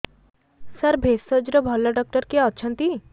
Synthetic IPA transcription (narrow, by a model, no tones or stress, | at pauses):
səɾbʱesəd͡ʒɾɔbʱɔlːaɖɔk̚ʈəɾkeɔt͡ʃʰə̃nt̪i